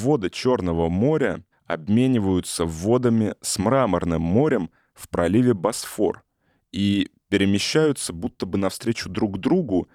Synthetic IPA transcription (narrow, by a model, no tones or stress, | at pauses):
vo̞d̪ɨt͡ɕo̞rnəvəmo̞ɾʲə | ɐ̰bmʲenʲɪvəjʊt̪səvo̞d̪əmʲɪsmɾamərnɨmːo̞ɾʲəm | fpɾɐlʲivʲɪbɐsfo̞̰r | ipʲɪɾʲɪmʲɪɕːæjʊt̪səbut̪ːəbɨnɐfst̪ɾʲet͡ɕʊd̪ɾuɡd̪ɾuɡʊ